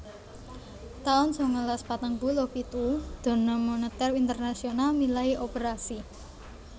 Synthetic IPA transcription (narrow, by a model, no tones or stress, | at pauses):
t̪aʊnsɔŋəlaspat̪əŋbulopit̪ud̪̥ɔ̤nəmonət̪ɛrint̪ərnasionalmilaiʔopəɾasi